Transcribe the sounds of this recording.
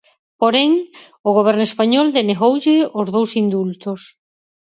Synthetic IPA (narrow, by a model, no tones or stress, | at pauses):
poɾɛŋ | ʊɣ̞oβ̞ɛɾnʊespaɲɔld̪eneɣowʎɪozðowsind̪ult̪os